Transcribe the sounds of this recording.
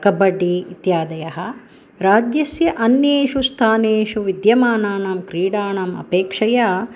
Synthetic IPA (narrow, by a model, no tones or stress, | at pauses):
kɐbɐɖiit̪jaːd̪ɐjɐɦɐ | ɾaːd͡ʒjɐsjɐʔɐnjeːʃust̪ʰaːneːʃuʋid̪jɐmaːnaːnaːmkɾiːɽaːnaːmɐ̰peːkʂɐjaː